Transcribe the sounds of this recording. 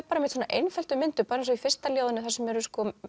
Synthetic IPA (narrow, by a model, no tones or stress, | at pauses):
paːɾameɪt̪soːnaʔejnfɛlt̪ʏmɪnt̪ʏpaːɾns̬ɔifɪrst̪aljoːwðʏnʏθɛsːʏmɛɾʏskɔ